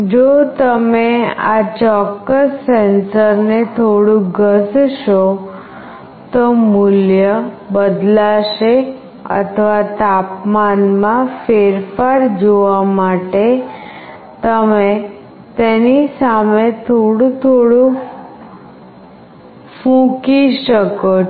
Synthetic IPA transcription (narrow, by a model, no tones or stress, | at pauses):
d͡ʑot̪əmeat͡ɕɔkːəsːensəɾnet̪ʰoɽũɡʱəsʃo | t̪ɔmuljə | bəd̪laʃe | ə̰t̪ʰəʋat̪apmanmãfeɾfaɾd͡ʒoʋamaʈe | t̪əme | t̪enisamet̪ʰoɽũt̪ʰoɽũ | fũkiʃəko